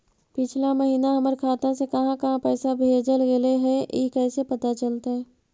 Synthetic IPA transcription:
pɪt͡ʃʰlaməɦiːnaɦəməɾkʰaːt̪ãsekɐɦãkɐɦãpɛːsabʱeːd͡ʒəlɡeleɦɛ̃ʔeːkɛːsepət̪at͡ʃəlt̪eɦɛ̃ː

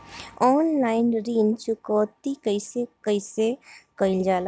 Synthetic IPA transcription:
ɔːnlaːɪnɾiːnt͡ʃʊkɔːt̪ikəɪsekəɪsekəɪld͡ʒaːla

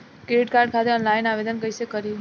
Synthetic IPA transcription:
keɖiʈkaɾɖkʰat̪eɔnlajnaʋed̪ənkəisekəɾi

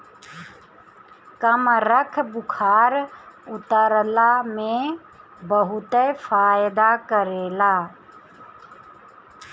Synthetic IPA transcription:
kəmɾəkʰbʊkʰaːɾʊt̪əɾlamẽ | bəɦʊt̪efaːjd̪akəɾeːlaː

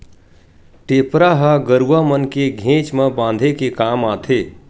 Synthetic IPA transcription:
ʈeːpɾaɦəɡəɾuʋamənkeɡʱẽːt͡ʃmə̃bãːn̆d̪ʱekekaːmaːt̪ʰeː

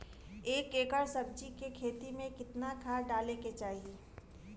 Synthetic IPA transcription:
eːkeːkəɾsɐb̚d͡ʒikekʰeːt̪imẽkɪt̪nakʰaːɖaːleket͡ʃaːɦie

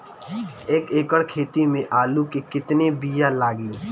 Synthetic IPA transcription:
eːkeːkəɽkʰeːt̪imẽʔaːlukekɪt̪nebiːjalaːɡleː

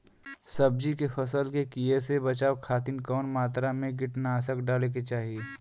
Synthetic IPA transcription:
sɐb̚d͡ʒikepʰɐsəlkekiesebɐt͡ʃaːwkʰaːt̪ɪnkɔːnmaːt̪ɾamẽɡɪʈnaːsəkɖaːlek̬et͡ʃaːɦije

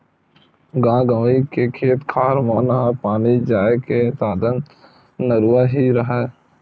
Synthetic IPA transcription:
ɡãːɡãːikekʰeːt̪kʰaːɾmaːnəɦapaːnid͡ʒaːeket̪aːd̪ə̃n | nəɾuːaɦiɾəɦɛː

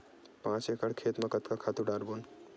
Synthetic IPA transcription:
pãːt͡ʃekəɽkʰeːt̪mekət̪kakʰat̪uɖaːɾbun

